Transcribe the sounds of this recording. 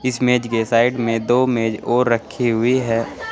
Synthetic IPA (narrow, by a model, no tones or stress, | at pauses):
ɪsmeːd͡ʒkesaːɪɖmẽd̪oːmeːd͡ʒoːɾːəkʰːiɦʊiɦɛː